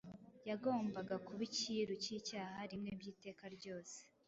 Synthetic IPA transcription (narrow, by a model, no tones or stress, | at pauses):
jaɡo̞ːmbaɡakuβiciɾucicaːhaɾimŋebjiːte̞ːkaɾɟo̞ːse̥